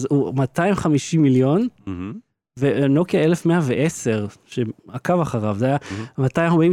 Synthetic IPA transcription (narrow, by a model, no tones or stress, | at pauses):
zumataimχamiʃimiljo̞n | veno̞kjaelefmeaveʔese̞ʁʃeakavaχaʁavzeajamatajomim